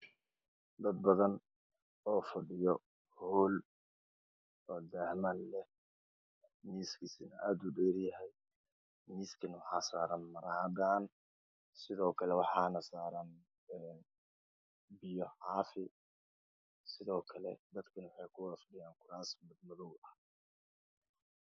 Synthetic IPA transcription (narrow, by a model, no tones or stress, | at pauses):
d̪ɐd̪̚bɐðɐn | ɔːfɐɖɪjɔ | huːl | ɔːd̪ahmɐnlɛ | niːskʰisɪnɐʔaːd̪ʊɖɛːɾjɐɦɛj | niːskʰɐnwɑħɑːsaːɾɐnmɐɾɐhɐd̪aːn | sɪðɔːkʰɐlɛwɑħɑːnɐsaːɾɐn | ɛːn | bɪjɔʕɑːfɪ | sɪðɔːkʰɐlɛd̪ɐd̪kʰɐnwɑħɑjkʰʊwafɐɖɪjaːŋkʰʊɾaːsmɐd̪mʊðɔwɐh